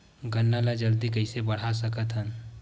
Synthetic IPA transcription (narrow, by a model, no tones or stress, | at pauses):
ɡənːalad͡ʒəld̪ikɐɪsebɐɽ̤as̬ɐkət̪ɦən